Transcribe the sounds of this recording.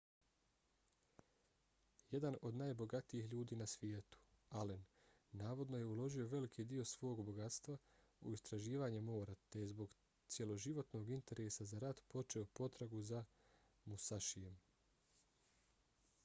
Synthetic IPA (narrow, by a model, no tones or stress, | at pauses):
je̞d̪ano̞d̪naːjbo̞ɡat̪iiçʎuːd̪iːnasʋjeːt̪u̥alenː | aːʋo̞d̪no̞je̞ulo̞ʒio̞ʋe̞likʰiːd̪io̞sʋo̞oɡbo̞ɡat̪st̪ʋa | ṵist̪ɾaʒiːʋaːɲe̞mo̞ːɾat̪e̞jezbo̞ɡ | t̪sje̞lˠo̞ʒiʋo̞t̪no̞ɡint̪e̞ɾe̞ːsazaɾat̪po̞t͡ʃe̞o̞po̞t̪ɾaɡuza | musaʃije̞m